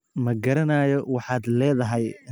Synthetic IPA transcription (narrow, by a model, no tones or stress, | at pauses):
mɐɡɐɾɐnaːjɔwɑħɑːd̪lɛːðɐɦɛj